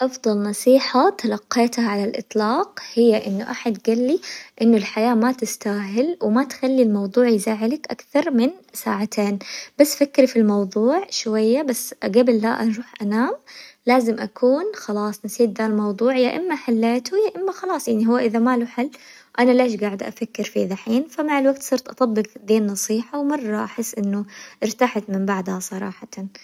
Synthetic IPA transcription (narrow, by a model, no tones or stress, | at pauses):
ʔɑfd̪ˤɑlnɑsˤiːħat̪ɑlɑqːeːt̪haʕalalʔɨ̰t̪ˤlɑːqhɪjːaʔɪnːʊʔaħad̪ɡalːiʔɪnːʊlħajaːmat̪ɪst̪aːɦɪlwmat̪xalːilmɑwðˤuːʕjzaːʕɪlakʔa̰kθɑɾˤmɪnsa̰ːʕat̪ʰeːnb̥asːfakɾifilmɑwðˤuːʕʃwajːabasɡabɪlːa̰ʔanɾˤuːħʔanaːmlaːzɪmʔakʰuːnxɑlɑːsˤnɪsiːt̪̚ðalmɑwðˤuːʕjaʔɪmːaħalːeːt̪ujaʔɪmːaxɑlɑːsˤjaʕniɦʊwːaʔɪðamaluħalː | ʔanaleːʃ̬ɡaːʕɪd̪ʔa̰fakːɪɾfiːðaħiːnfamaʕɪlwaɡt̪sˤɨɾt̪ʔɑt̪ˤɑbːɪɡd̪iːnːɑsˤiːħawmɑrˤːɑʔaħɪsːʔɪnːʊʔɪɾt̪aħat̪mɪmbaʕd̪hasˤɑɾˤɑ̰ːħɑt̪an